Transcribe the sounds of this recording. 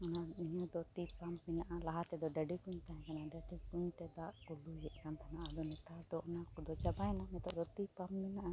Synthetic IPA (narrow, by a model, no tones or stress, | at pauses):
ɔnaiɲɔ̃d̪ɔt̪ipamminaʔalaɦat̪ɛd̪ɔɖəɖikuɲt̪aɦɛ̃kanaɖəɖikuɲt̪ɛd̪aʔkɔlujɛʔkant̪ʰanaʔad̪ɔnɛt̪ad̪ɔɔnakud̪ɔt͡ʃabajnamɛt̪ɔʔd̪ɔt̪ipamːinaʔa